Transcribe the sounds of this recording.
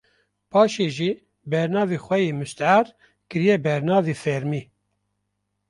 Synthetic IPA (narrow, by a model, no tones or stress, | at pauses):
pʰɑːʃeːʒiː | bɛɾnɑːveːxʷɛjeːmɨst̪aɾ | kɨɾijɛbɛɾnɑːveːfɛɾmiː